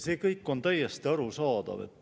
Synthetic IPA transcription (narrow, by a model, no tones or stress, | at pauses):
se̞ːkɤjkːˑo̞nt̪æjest̪iɑɾusɑːd̪̥ɑ̰vḛt̪ːˑ